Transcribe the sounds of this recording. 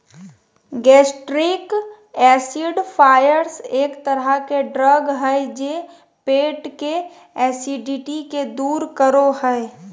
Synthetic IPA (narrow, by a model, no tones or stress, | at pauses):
ɡɛːsʈɾik | ɛːsiɖpʰaːjəɾseːkt̪əɾəkeɖɾəɡɦɛed͡ʒeː | peːʈke | ɛːsiɖiʈiked̪uːɾkəɾoɦɛ